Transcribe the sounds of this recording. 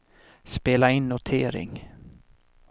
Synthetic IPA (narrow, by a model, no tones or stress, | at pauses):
speːlaɪnːʊt̪ʰeːɾɪ̰ŋ